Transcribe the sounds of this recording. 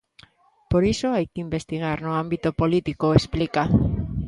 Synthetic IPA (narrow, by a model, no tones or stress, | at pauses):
poɾisoajkɪimbest̪iɣaɾnoambit̪opolit̪ikoesplika